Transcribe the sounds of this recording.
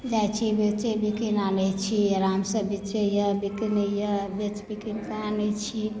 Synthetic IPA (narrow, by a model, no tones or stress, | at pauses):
d͡ʒajt͡ʃʰibet͡ʃebikinanət͡ʃʰiɾamsəbit͡ʃejəbikinejəbet͡ʃbikinkaanət͡ʃʰi